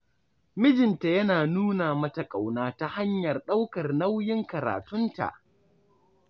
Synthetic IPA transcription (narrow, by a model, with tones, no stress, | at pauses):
mɪ˦d͡ʒɪ˨nta˨jɐ˦naː˨nuː˦naː˨mɐ˦ta˨kʼa˨wnaː˦ta˦ha˦ɲjɐ˨rɗa˦wkɐ˨rna˦wjɪ˦ŋkɐ˨ɾa̰ː˨tʊ˦nta̰˨ʔ